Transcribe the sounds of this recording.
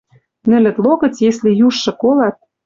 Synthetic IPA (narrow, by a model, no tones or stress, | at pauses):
nɘ̆lɘ̆t̪loɣɤ̆t͡sjeslĕjuʃːɤ̆kolɑt̪̚